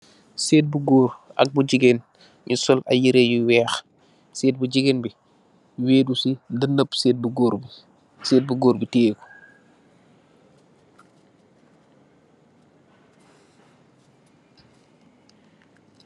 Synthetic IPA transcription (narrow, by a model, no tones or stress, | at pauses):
seːt̚buɡɔːɾɐ̰k̚buɟiɡen | ɲusɔlɐ̰jiɾejuwɛːx | seːt̚buɟiɡeːnbi | weːdusidənːəpseːt̚buɡɔːɾbi | seːt̚buɡoːɾbitɛːku̥